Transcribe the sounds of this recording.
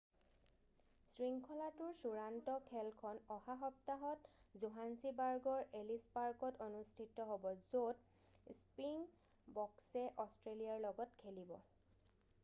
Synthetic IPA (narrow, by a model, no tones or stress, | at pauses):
sɹiŋkʰɔlatʊɹsuɹantɔkʰɛlkʰɔnɔhaɦɔp̚taɦɔtzuɦansibaɹɡɔɹelispaɹkɔtonustʰitːɔɦobɔzot | spiŋ | bɔksɛʔɔstɹelijaɹlɔɡɔtkʰelibɔ̰